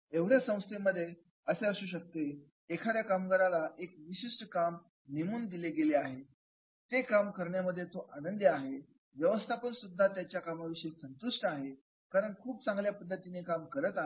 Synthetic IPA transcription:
eʋɽ̤jasə̃w̃st̪ʰemːəd̪ʱːje | əseəsuːɕ̬ək̚t̪eː | kʰaɾjakamkəɾalaʔek̚ʋiɕiʂʈəkam | nimuːnd̪ileɡeleaɦe | t̪ekamkəɾɳjaməd̪ʱːjet̪oʔanənd̪əaɦe | ʋjəʋəst̪ʰapənsud̪ʱːat̪jat͡ɕjakamaʋiɕəisənt̪uʂʈəaɦe | kaɾəɳkʰuːp̚t͡sãŋɡljapəd̪ʱːət̪inekamkəɾət̪a

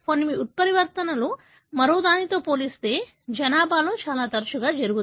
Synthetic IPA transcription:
konːimiʔut̪̚pɐɾiʋɐɾt̪ɐnɐlu | mɐɾoːd̪aːnit̪o̞ːpo̞ːlist̪e̞ː | d͡ʒɐnaːbʱaːloːt͡ʃaːlaːt̪ɐɾɐʃuɡaːd͡ʒɐɾuɡut̪

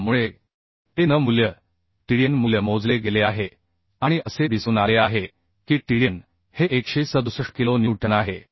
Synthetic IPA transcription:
muɭe | t̪enəmuljə | ʈiɽijənmuljəmod͡zleɡeleaɦe | aɽ̃iəsed̪isunaleaɦe | kiːʈiɽijən | heʔekɕesəd̪usəʂkilonjiwʈənaɦe

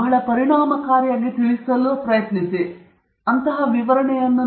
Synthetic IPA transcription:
ɦɐɭɐpɐɾiɳaːmɐkaːɾjaːɡit̪iɭisɐlupɾɐjɐt̪nisi | ɐnt̪ɐɦɐʋiʋɐɾɐɳɛjɐnːu

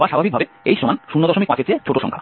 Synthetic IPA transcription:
baʃabʱabik̚bʱabe | ejʃomanʃunːod̪ɔʃomik̚pãt͡ɕʰet͡ɕʰet͡ɕʰoʈoʃɔ̰ŋkʰa̰

